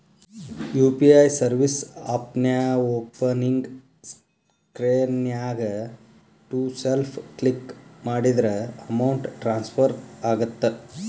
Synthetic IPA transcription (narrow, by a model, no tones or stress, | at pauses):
juːpiɐjsɐɾʋisaːpnjaoːpɐniŋɡ | s | kɾeːnjaːɡɐ | ʈuselpʰklikmaːɽid̪ɐɾɐɐmɐwɳʈʈɾaːnspʰɐɾaːɡɐt̪ːe